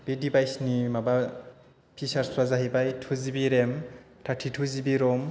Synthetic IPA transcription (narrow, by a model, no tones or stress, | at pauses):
b̥edibajsnimaba | pʰisaɾswazaɦibajtʰuzibiɾem | tʰatʰitʰuzibiɾɔm